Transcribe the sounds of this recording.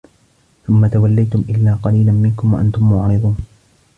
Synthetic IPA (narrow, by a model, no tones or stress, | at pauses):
θʊmːat̪awalːajt̪ʊmʔɪlːaːqɑliːlanmɪnkʊmwaʔant̪ʊmːʊʕɾɨd̪ˤuːn